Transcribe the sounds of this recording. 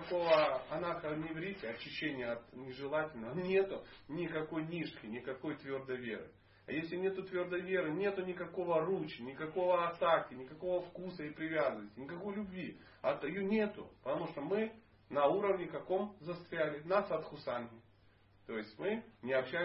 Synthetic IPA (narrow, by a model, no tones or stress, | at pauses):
ɐko̞vəɐnaxənʲɪvɾʲitʲɪɐt͡ɕːɪɕːenʲɪjəɐt̪nʲɪʐɨlˠatʲɪlʲnəvənʲe̞t̪ʊ | nʲɪkɐko̞jnʲiʂkʲɪnʲɪkɐko̞jt̪vʲo̞rd̪əjvʲe̞̰ɾɨ̰ | ɐjesʲlʲɪnʲe̞t̪ʊt̪vʲord̪əjvʲe̞ɾɨnʲe̞t̪ʊnʲɪkɐko̞vərut͡ɕɪnʲɪkɐko̞vəɐt̪akʲɪnʲɪkɐko̞vəfkusəɪpɾʲɪvʲazənəsʲtʲɪnʲɪkɐko̞jlʲʊbʲvʲi | ɐt̪ɐjunʲe̞t̪ʊ̰pət̪ɐmuʂt̪omɨ | nɐuɾəvnʲɪkɐko̞mzɐst̪ɾʲælʲɪnasɐt̪xʊsanɦʲɪ | t̪o̞jɪsʲtʲmɨnʲɪɐpɕːæ